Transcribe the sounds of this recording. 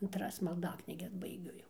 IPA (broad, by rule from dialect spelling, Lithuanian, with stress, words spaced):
ɐntˈrɐs mɐlˠˈdɑːknʲiːɡʲɛs bɐɪˈɡʲʊ jɛʊ